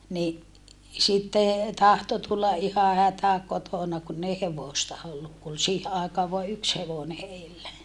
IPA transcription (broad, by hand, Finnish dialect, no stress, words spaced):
ni sitːe tɑhto tulːɑ ʔihɑ hætæ kotonɑ kunː ei heʋoˑstɑ olːuk ku ol siːhe ɑˑekɑːʋ ʋoɑ yks heʋone heilːæ